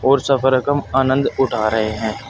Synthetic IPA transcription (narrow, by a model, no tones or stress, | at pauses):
ɔːɾsɐfəɾəkəmaːnə̃nd̪ʊʈʰaːɾɐɦeɦɛ̃ː